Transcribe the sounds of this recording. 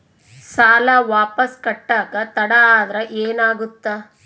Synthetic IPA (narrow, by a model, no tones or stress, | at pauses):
saːlaʋaːpɐskɐʈːaːkɐt̪ɐɽɐaːd̪ɾɐʔeːnaːɡut̪ːa